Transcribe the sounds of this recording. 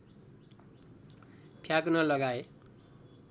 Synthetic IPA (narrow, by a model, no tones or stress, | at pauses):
pʰjakunʌlʌɡae